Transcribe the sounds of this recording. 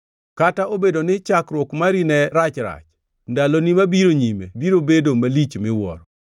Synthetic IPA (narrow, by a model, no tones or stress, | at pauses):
kataobedonɪt͡ʃakɾwɔkmaɾinɛɾat͡ʃɾa̰t͡ʃ | ndalonimabiɾoɲimebiɾobedomalit͡ʃmɪwɔ̰ɾɔ